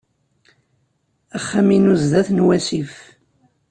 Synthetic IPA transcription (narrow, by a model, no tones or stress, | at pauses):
æχːaminuzðæθnwæsif